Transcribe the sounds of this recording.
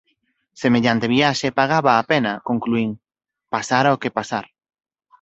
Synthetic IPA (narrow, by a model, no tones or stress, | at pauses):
semeʎant̪eβiaʃepaɣ̞aβaːpenɐkoŋkluiŋ | pasaɾaokepasaɾ